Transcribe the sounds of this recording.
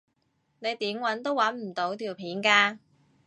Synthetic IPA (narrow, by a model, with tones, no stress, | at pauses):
ne˨˧jt̪iː˨˥mwɐ˨˥nt̪o˥wɐ˨˥nm̩˨˩t̪o˨˧˥wt̪ʰiː˨˩wpʰiː˨˥nkaː˧